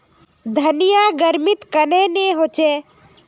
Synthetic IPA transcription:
d̪ʱənɪjaɡəɾmɪt̪kəneneɦoːt͡ʃeː

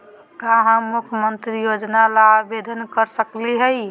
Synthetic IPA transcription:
kaɦãmukʰjəmənt̪ɾijod͡ʒnalabed̪ʱənkəɾsəkliɦəj

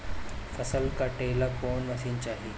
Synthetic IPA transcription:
fəsəlkaʈeːlakoːɳʋəsiːnt͡ɕaːɦiː

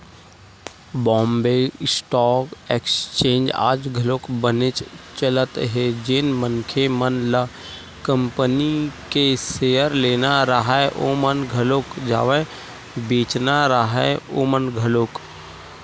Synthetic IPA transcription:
bɔ̃ːmbeːsʈɔːkeːkst͡ʃẽːnd͡ʒa̰ːd͡ʒɡʱəloːkbənɪt͡ʃt͡ʃələt̪ɦɛd͡ʒɪnmənkʰemənla | kə̃mpənikeseːəɾleːnaɾəɦaʔoːmənɡʱəloːkd͡ʒa̰ːʋẽ | beːt͡ʃnaɾəɦɛoːmənɡʱəloːk

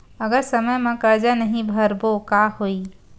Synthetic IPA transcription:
əɡəɾsəməjmẽkəɾd͡ʒanəɦĩbʱəɾbokahoi

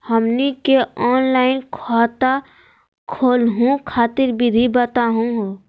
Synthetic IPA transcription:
həmnikeɔːnlaɪnkʰat̪a | kʰoːlɦũkʰaːt̪ɪɾbʱid̪ʱibət̪aɦũɦ

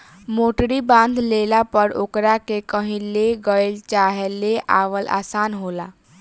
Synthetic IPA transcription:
moːʈɾibãːnd̪leːlapəɾo̰ːkɾakekəɦĩleɡəelt͡ʃaːɦeleʔa̰ːʋəla̰ːsaːnɦoːlaː

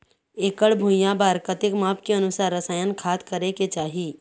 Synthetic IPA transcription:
eːkəɭbʱũjabaːɾkət̪ɪkmaːpkeɐnʊsaːɾːəsaːjənkʰaːt̪kɐɾeket͡ʃaːɦiː

